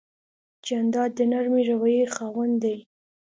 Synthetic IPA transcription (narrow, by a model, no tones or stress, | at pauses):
d͡ʒand̪ɑd̪ːənaɾmiɾawajexɑwand̪aj